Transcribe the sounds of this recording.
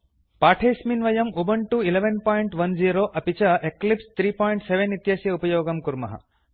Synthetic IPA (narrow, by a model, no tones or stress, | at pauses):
paːʈʰeːsminʋɐjɐmubɐɳʈuileʋɐnpaːjiɳʈʋɐnd͡ʒiːɾoːʔɐpit͡ʃɐʔeklipst̪ʰɾiːpaːjɳʈseʋenːit̪jaːsjɐupɐjoːɡɐmkuɾmɐ̰ɦɐ̰